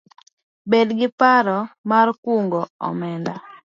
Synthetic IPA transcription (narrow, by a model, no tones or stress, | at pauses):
bedɡɪpaɾɔmarkuŋɡɔɔ̰mɛnda